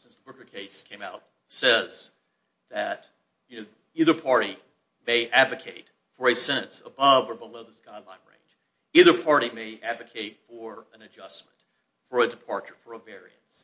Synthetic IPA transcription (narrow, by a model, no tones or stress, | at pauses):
sɪ̃nsðəbʊ˞kə˞kʰeɪskʰẽɪ̃maʊt̚ | sɛz | ðɨt | jɨnoʊ | iðə˞pʰɑɹɾi | meɪʔædvɨkʰeɪt | fə˞ɨsɛ̃ɾ̃ɨ̃nsə̰bʌvə˞bəloʊðɪsɡ̥aɪdˡlãɪ̃nɹḛ̃ɪ̃nd͡ʒ | iðə˞pʰɑɹɾimeɪʔædvɨkʰeɪtfə˞ɨ̃nɨd͡ʒʌsm̃n̩t | fə˞ɨdɨpʰɑɹt͡ʃə˞fə˞əvɛɹḭɨ̰̃ns